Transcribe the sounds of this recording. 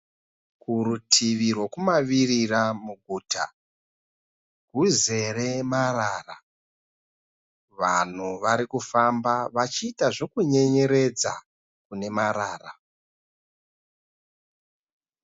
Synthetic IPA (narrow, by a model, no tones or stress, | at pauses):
kuɾutʰiʋirwo̞kumaʋiriramuɡʱuːtʰa̰ | ɡ̥ʱuze̞re̞maraːra | ʋa̰n̤uʋaɾikufambaʋat͡ʃiːtaʐo̞kuɲe̞ɲe̞ɾe̞d͡za̰ | kune̞maɾaːra